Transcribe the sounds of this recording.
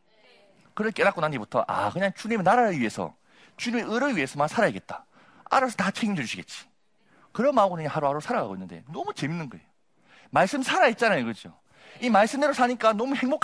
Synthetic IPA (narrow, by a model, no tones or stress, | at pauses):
kɯɾʌkʰk͈e̞nakonanibutʰʌ̰ʔa̰kɯɲaŋt͡ɕuɲimɯnaɾaɾɯɭɥie̞sʰʌ̰ | t͡ɕuɲimeɯɾɯɭɥie̞sʰʌmansʰaɾaiɡe̞t̚t͈ḁ̰ | a̰ɾas̬ʰʌtat͡ɕʰeɡimd͡ʑɯd͡ʑuɕʰiɡet̚t͡ɕ͈i̥ | kɯɾʌmaɡɯnɯɲaŋɦaɾohaɾosʰaɾaɡa̰ɡoinːɯnde̞̰nʌmut͡ɕe̞minːɯnɡʌe̞̰jo | maɭs͈ɯmsʰaɾait̚t͡ɕ͈anajokɯd͡ʑo̰ | imaɭs͈ɯmdeɾosʰaɲik͈anʌmuhe̞ŋbokʰ